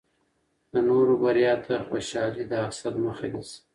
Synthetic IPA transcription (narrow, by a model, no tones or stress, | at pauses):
d̪̥ənoɾobaɾijɑt̪ʰaxoʃɑlid̪əaksad̪məxad̪is